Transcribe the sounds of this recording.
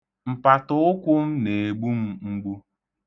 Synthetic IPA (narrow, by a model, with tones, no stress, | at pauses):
m̩˨pa˨tʊ˦ʊ˦kʷʊ˦m̩˦ne˨e˨ɡ͡bu˦m̩˦ŋ͡m̩˦ɡ͡bu˦